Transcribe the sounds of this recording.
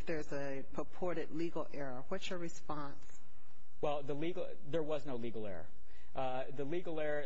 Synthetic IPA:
fðə˞zɨ | pʰəpʰɔɹɾɨdˡliɡl̩ˠɛɹəwʌtsjə˞ɹɨspɑ̃ns | wɛlˠðəliɡlˠ | ðə˞wʌznoʊliɡl̩ˠɛ̰ɹə̰ | ðɨliɡl̩ˠɛɹə

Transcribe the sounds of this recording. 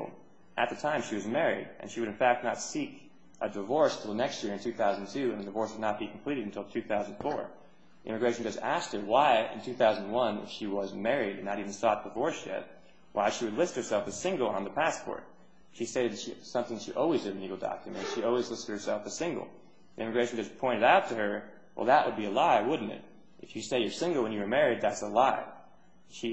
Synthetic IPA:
ʔɨ̰t̪̚ðɨtʰãɪ̃mʃiwʌzmɛɹḭɾʔɨ̰̃nʃiwɨɾɨ̃nfæk̚tⁿnətsik | ʔədəvɔɹstʰəl̩ˠðənɛkstjɪɹɨ̃ntʰʉθaʊznntʰʉɨ̃nðɨdɨvɔɹswədⁿnət̚b̥ikʰm̩pʰl̥iɾɨɾ̃n̩tʰɪlˠtʰʉθaʊznfɔ̰ɹ | ʔɪ̰̃mɨɡɹeɪʃn̩d͡ʒʌzæs̚t̚hə˞waɪɪ̰̃ntʰʉθaʊz̃ñnwʌ̃nɨ̰fʃiwʌzmɛɹiɾɨ̃nːəɾivn̩stɑd̥ɨvɔɹsjɛ̰t̚ | waɪʃiwɨdˡlɪst̚hə˞sɛlˠfɨsɪ̃ŋɡl̩ˠə̰̃nðəpʰæspʰɔ̰ɹt̚ | ʃisteɪɾɨd̪̚tʃisʌ̃mθɪ̃ŋʃiʔɔlˠwizɨɾɨnliɡl̩ˠdɑ̰kʰjɨmɨ̰̃ntʃiɔlˠwizlɪstd̚hə˞sɛlˠfɨsɪ̃ŋɡl̩ˠ | ðiʔɪ̃mɨɡɹeɪʃn̩d͡ʒʌspʰɔ̃ɪ̃ɾ̃ɨɾaʊtʰɨə˞ | wʔɛ̰lˠðəʔwʔəd̚biɨlaɪwʊdⁿn̩tɪ̰t | ʔɨfjɨseɪjə˞sɪ̃ŋɡl̩ˠwə̃njɨwə˞mɛɹid̪̚ðætsəlaɪ | ʃi

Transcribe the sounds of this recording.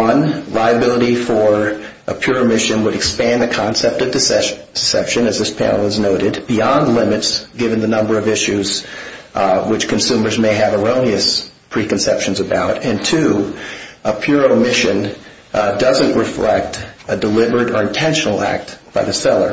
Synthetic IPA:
ʌ̃nlaɪɨbɪlˠəɾifə˞ | ʔəpʰj̥ʊɹoʊmɪʃɨ̃nwəɾɨkspæ̃nðɨkʰɑ̃nsɛp̚tʌvdɨd̥sɛ̰pʃɨ̃nɨzðɪspʰæ̰̃nl̩ˠəznoʊɾɨd̚b̥iɑ̃ndˡlɪ̃mɨtsɡ̥ɪvɨ̃nðɨnʌ̃mbə˞ʌvɪʃʉz | wɨt͡ʃkʰɨ̃n̩sʉ̃mə˞zmeɪɨvəɹõʊ̃niɨspʰɹ̥ikn̩sɛpʃɨ̃n̩zɨbaʊɾɨ̃ntʰʉ | ʔəpʰj̥ʊɹoʊmɪʃɨ̃n | dʌzɨ̃nʔɹɨflɛ̰k̚tɨdəlɪbə˞ɨɾə˞ɨ̃ntʰɛ̃nʃn̩l̩ˠæ̰k̚t̚b̥aɪðɨsɛlˠə̰˞

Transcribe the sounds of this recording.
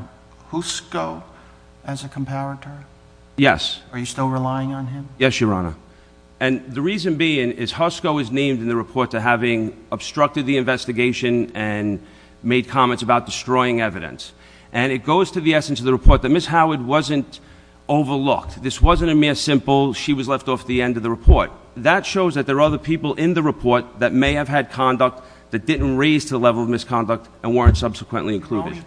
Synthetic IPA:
huskoʊ | ɨzɨkʰm̩pʰæɹɨɾə˞ | jɛ̰sə˞jɨstɪlˠɹɪlaɪɪ̃ŋə̃nɪ̃mjɛsjə˞ɑ̰nə̰ | ɨ̃nðɨɹizɨ̃nbiɪ̃ŋɪz̥hʌskoʊɨznẽɪ̃mdɨ̃n̩ðɨɹɨpʰɔɹtʰɨɦævɪ̃ŋəb̥stɹ̥ʌk̚tɨd̪̚ðiɨ̃ɱvɛstɨɡeɪʃɨ̃nɨ̃n | meɪd̚kʰɑmɛ̃ntsəbaʊt̚d̥ɨstɹ̥ɔɪɪ̃ŋɛvɨɾɨ̰̃ns | ʔɨ̃ñɨt̚ɡ̥oʊz̥tʰɨðiɛsn̩sʌvðəɹɨpʰɔɹt̪̚ðɨt̚mɪshaʊəd̚wʌzɨ̃nt | oʊvə˞lʊ̰k̚tðɪswʌzɨ̃ñɨmɪɹsɪ̃mpl̩ˠʃiwʌzlɛftɔfðiɛ̃ndʌvðɨɹɨpʰɔɹt̪̚ | ðətʃoʊzðɨt̪̚ðə˞ʌðə˞pʰipl̩ˠʔɪ̃nðɨɹɨpʰɔɹt̪̚ðɨt̚meɪɨv̥ɨd̚kʰɑ̃ndək̚t̪̚ | ðɨt̚d̥ɪdⁿn̩tɹeɪz̥tʰɨðəlɛvl̩ˠʌvmɪskʰɑ̃ndʌk̚t | ɨ̃nwɜ˞ɨ̃ntsʌb̥səkʰwə̰̃nʔliɨ̃nkʰl̥uɾɨ̰d̥

